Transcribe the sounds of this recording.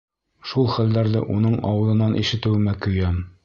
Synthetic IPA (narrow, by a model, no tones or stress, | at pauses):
ʃulˠχælːæɾðɘ̰ʔunɤɴɒ̰wɤ̆lˠɤ̆nɑnʔḭʃɘ̆t̪ɘ̆wmækɵ̆jæm